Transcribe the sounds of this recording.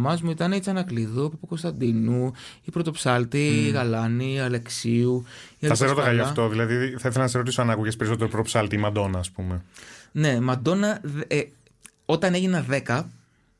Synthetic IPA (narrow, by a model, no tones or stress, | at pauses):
mɐzmuit̪ɐneit͡sɐnɐkliðupɐpuko̞st̪ɐnd̪inuipɾot̪opsɐlt̪iːɣɐlɐniɐle̞ksiuiɐlɐiseɾot̪ɐɣɐjoɐft̪o̞ðilɐðiθɐiθelɐnɐseɾot̪isoɐnɐkuʝe̞spe̞ɾiso̞t̪eɾopɾot̪osɐlt̪imɐd̪o̞nɐːspumene̞mɐd̪o̞nɐð | ot̪ɐne̞ʝinɐðekɐ